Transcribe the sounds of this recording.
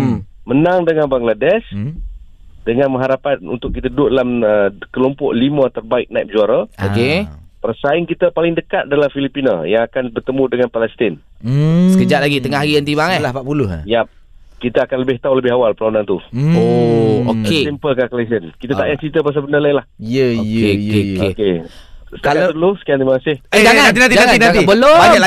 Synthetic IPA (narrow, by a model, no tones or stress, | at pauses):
mənaŋdəŋanbaŋɡladɛs | dəŋanmə̃ŋɦaɾapan̚ṵnt̪ʊk̚kit̪ədʊʔdalaməkəlompɔ̰ʔlimat̪ərbaɪk̚najp̚d͡ʒuaɾaokepərsaɪŋkit̪əpalɪŋdəkat̪̚dalamfilipina̰jaŋakanbərt̪əmudəŋanpalɛst̪ɪn | səkəd͡ʒat̪ʔ̚laɡit̪əŋahɦaɡiənt̪ibaŋəlahpapulʊhja | kit̪əːkanləbɪht̪auləbɪɦawalpəɾlaunant̪uoo̰keimpəlkaklas̬ənkit̪at̪a̰ʔjaʔt͡ʃit̪əpas̬abənəlajlahiəokeokekekesə̥kalʊsə̥kianimaŋasɪhed͡ʒaaat̪inat̪id͡ʒaaŋainaaŋaibəlobaa